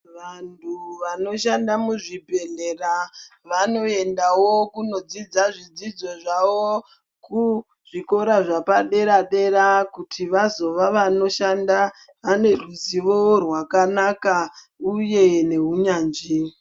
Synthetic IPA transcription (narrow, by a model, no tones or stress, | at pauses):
ʋantʰuʋano̞ʃandamuʐibʱe̞ɮe̞raʋano̞e̞ndawo̞kuno̞d͡zid͡zaʐid͡zid͡zo̞ʐaʋo | ku | ʐ̥iko̞ɾaʐapaɗe̞ɾaɗe̞ɾakutʰiʋazo̞ʋaʋano̞ʃanda | ane̞ruziʋo̞rwakanaka | uje̞ne̞ɦuɲaːnd͡ʒi